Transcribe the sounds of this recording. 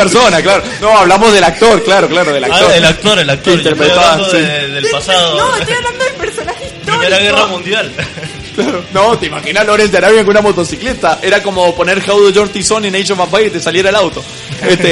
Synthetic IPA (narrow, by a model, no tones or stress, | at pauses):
peɾsonaklaɾonoaβlamozðe̞lak̚t̪o̞ɾklaɾo̞klaɾoðela̰kt̪oɾelak̚t̪oɾelak̚keint̪eɾpɾet̪aβasiðelpasaðonoaβland̪oðepeɾsonaxe | ielaɣeramũnd̪jal | klaɾonot̪eimaxinalo̞ɾensd̪aɾaβjeŋkunamot̪o̞siklet̪aʔe̞ɾako̞mo̞po̞ne̞ɾxawðod͡ʒoɾt̪isoninejʃovapajt̪esaljeɾaelawt̪o̞ | est̪e